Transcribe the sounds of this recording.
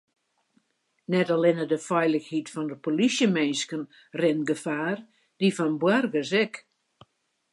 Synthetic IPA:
nɛtalɪnədəfɛjləxhitfɔndəpolisjəmenskən | rɪnɡəfaːr | d̥ifɔnbwɛrɡəs̬ɛk

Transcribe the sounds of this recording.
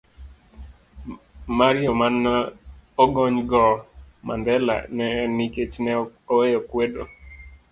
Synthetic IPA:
maɾɪɔman | oɡɔɲɡɔmʔa̰ndɛla̰nɛniket͡ʃnɛowejɔkwedo

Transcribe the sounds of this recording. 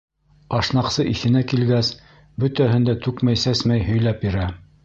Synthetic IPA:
ɑʃnɑqsɤʔiθɘ̆nækilɡæs | bɵ̆t̪æɦɘ̆nd̪æt̪ʉkmæjsæsmæjhɵ̆jlæpjɘ̆ɾæ

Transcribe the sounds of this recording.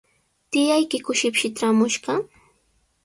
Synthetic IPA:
t̪ɪjajkɪkʊʃɪpʃɪt̪ɾamʊʃɢɑ

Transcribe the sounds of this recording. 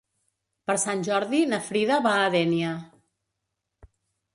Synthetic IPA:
pəɾsanʲʒɔɾðinəfɾiðəβaːðɛniə

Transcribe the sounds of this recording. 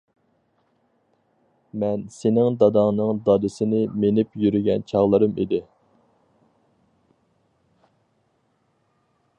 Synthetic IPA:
mɛnsenɪŋd̪ɑd̪ɑŋnɨŋd̪ɑd̪ɨsɪnɪmenɪpjyɾyɡʲɛnt͡ʃʰɑʁlˠɨɾɨmid̪ɪ

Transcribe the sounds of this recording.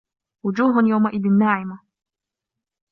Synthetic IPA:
wʊd͡ʒuːɦʊnjawmaʔɪd̪ɪnːaːʕɪma

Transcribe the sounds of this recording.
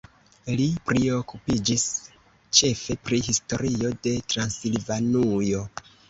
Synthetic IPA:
lipɾio̞kupid͡ʒis | t͡ʃe̞fe̞pɾiɦisto̞ɾio̞de̞tɾansilvanujo̞

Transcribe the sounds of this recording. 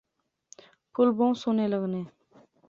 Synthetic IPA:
pʰʊlbõːsoːneːləɣneː

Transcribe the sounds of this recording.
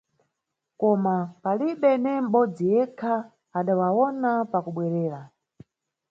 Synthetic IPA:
kɔmapaliɓɛnɛm̩ɓɔd͡zijɛkʰaː | ɗawawɔnapakuɓwɛɾɛːɾa

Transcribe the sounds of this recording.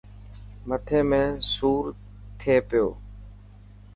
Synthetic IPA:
mət̪ʰeːmẽːsuːɾ | t̪ʰeːpɪjo̰ː

